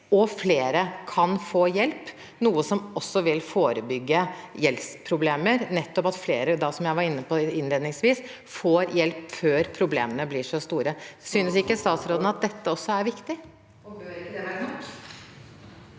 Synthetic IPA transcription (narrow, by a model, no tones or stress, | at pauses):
ɔfleːɾəkʰɑnfoːjɛlp | nuːəsɔmɔsːɔʋɪlfoːɾəbʏɡːəjɛlspʰɾʊbleːməɾnɛt̪ːɔpɑt̪fleːɾəd̪ɑsɔmjæɪʋɑɾɪnːəpʰɔɪnleːd̪nɪŋsʋiːs | foːɾjɛlpføːɾpʰɾʊblḛːmənəblɪʂɔst̪uːɾəsyːnəsɪkːəst̪ɑːt̪sɾoːd̪ən̩ɑt̪̚d̪ɛt̪ʰːəɔsːɔæɾʋɪkt̪ɪ